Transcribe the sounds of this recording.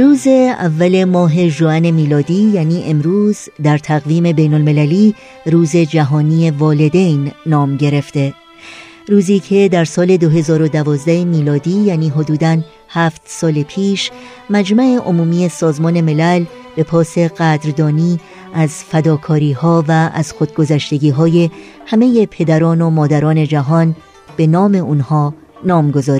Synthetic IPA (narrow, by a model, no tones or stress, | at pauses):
ɾuːze̞ævːæle̞mɒːɦe̞ʒuæne̞miːlɒːd̪iːjæːniːʔe̞mɾuːzd̪æɾt̪ʰæɣviːme̞be̞jno̞lme̞læliː | ɾuːze̞d͡ʒæɦɒːniːe̞vɒːle̞d̪e̞jnːɒːmɟe̞ɾe̞ft̪e̞ | ɾuːziːcʰe̞d̪æɾsɒːle̞d̪o̞ɦe̞zɒːɾo̞d̪ævɒːzd̪æhemiːlɒːd̪iːjæːniːɦo̞d̪uːd̪æn | hæːft̪sɒːlepʰiːʃ | mæd͡ʒmæe̞ʔo̞muːmiːe̞sɒːzmɒːne̞me̞læl | b̥e̞pʰɒːse̞ɣæd̪ɾd̪ɒːniː | ʔæzfæd̪ɒːkʰɒːɾiːhɒːvææ̰z̥xod̪̚ɡo̞zæʃt̪e̞ɟiːɦɒːje̞ | hæme̞je̞pʰe̞d̪æɾɒːno̞mɒːd̪æɾɒːne̞d͡ʒæɦɒn | b̥e̞nɒːme̞uːnhɒː | nɒːmɡo̞zɒːɾ